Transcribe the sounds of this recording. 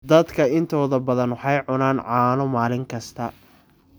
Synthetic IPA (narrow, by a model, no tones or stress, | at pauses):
d̪ɐd̪kʰɐɪnt̪ʰɔːðɐbɐðɐnwɑħɑjʕʊnaːnʕɑːnɔmaːlɪŋkʰɐst̪ʰɐ